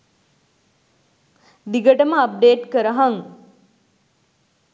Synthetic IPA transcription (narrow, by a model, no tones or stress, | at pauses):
d̪iɡəʈəməɐp̚ɖeːʈkəɾəɦaŋ